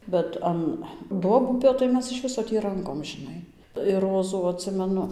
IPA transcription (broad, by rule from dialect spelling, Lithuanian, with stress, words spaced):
bʲɛt ˈɐn ˈduɔbʊpʲoː tɐɪ ˈmʲɛs ɪʃ ˈʋʲɪsoː tʲiː ˈrɐŋkoːm ʒʲɪˈnɐɪ ɪr ˈroːzuː ɐtʲˈsʲɪmʲɛnʊ